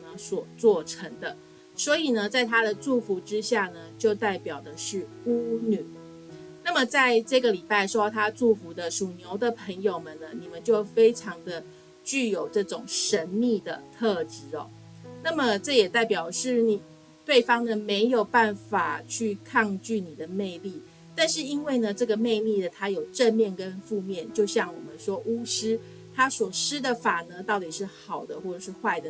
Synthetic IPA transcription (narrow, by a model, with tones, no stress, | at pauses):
ə˧˦swɔ˨˩t͡swɔ˥˩ʈ͡ʂʰə˧˥ŋd̪ə˧ | swɔ˧˥i˨˩nə˦t͡sa˥˩ɪt̪ʰa˥d̪ə˨ʈ͡ʂu˥˩fu˧˥ʈ͡ʂɻ̩˥ɕja˥˩nə˩t͡ɕjo˥˧ʊt̪a˥˩ɪpjɑ˨˩ʊd̪ə˦ʂɻ̩˥˩ | u˥ny˨˩˦ | na˥˩mə˩t͡sa˥˧ɪʈ͡ʂɤ˥˩ɡə˩li˨˩pa˥˩ɪʂwɔ˥t̪ʰa˥ʈ͡ʂu˥˩fu˧˥d̪ə˧ʂu˨˩njo˧˥ʊd̪ə˨pʰə˧˥ŋjo˨˩ʊmə˨nnə˩ni˨˩mə˦nt͡ɕjo˥˩ʊfe˥ɪʈ͡ʂʰɑ˧˥ŋd̪ə˧ | t͡ɕy˥˩jo˨˩ʊʈ͡ʂɤ˥˩ʈ͡ʂʊ˨˩ŋʂə˧˦˥nmi˥˩d̪ə˩t̪ʰɤ˥˩ʈ͡ʂɻ̩˧˥ɔ̰˨˦ | na˥˩mə˨ʈ͡ʂɤ˥˩jɛ˨˩t̪a˥˩ɪpjɑ˨˩ʊʂɻ̩˥˩ni˨˩ | t̪we˥˩ɪfɑ˥ŋnə˨me˧˥ɪjo˨˩ʊpa˥˩nfa˨˩t͡ɕʰy˥˧kʰɑ˥˧ŋt͡ɕy˥˩ni˨˩d̪ə˩me˥˧ɪli˥˩ | t̪a˥˧nʂɻ̩˥˩i˦˥nwe˥˩ɪnə˩ʈ͡ʂɤ˥˩ɡə˩me˥˧ɪli˥˩d̪ə˩t̪ʰa˥jo˨˩ʊʈ͡ʂə˥˧nmjɛ˥˩nkə˦nfu˥˧mjɛ˥˨nt͡ɕjo˥˧ʊɕjɑ˥˩ŋwɔ̰˨˩mə˦nʂwɔ˥ʔu˥ʂɻ̩˥ | t̪ʰa˥swɔ˨˩ʂɻ̩˥d̪ə˨fa˨˩nə˦t̪ɑ˥˩ʊt̪i˨˩ʂɻ̩˥˩xɑ˨˩ʊd̪ə˦xwɔ˥˩ʈ͡ʂɤ˨˩ʂɻ̩˥˧xwa˥˩ɪd̪ə˩